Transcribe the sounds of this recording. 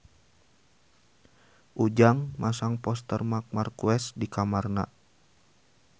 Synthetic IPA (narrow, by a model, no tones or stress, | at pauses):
ʔud͡ʒaŋmasaŋpɔst̪ərmak̚markuɛsdikamarna̰